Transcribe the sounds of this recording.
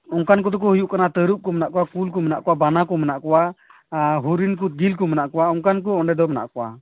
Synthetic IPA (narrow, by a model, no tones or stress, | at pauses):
ɔŋkankɔd̪ɔk̬ɔhujuʔkanat̪əɾuʔ̚kɔmɛnaʔkɔwakulkɔmɛnaʔkɔwabanakɔmɛnaʔkɔwa | ɦuɾink̬ut̪̚ɡilk̬ɔmɛnaʔkɔwaɔŋkank̬ɔɔɳɖɛd̪ɔmɛna̰ʔkɔwa̰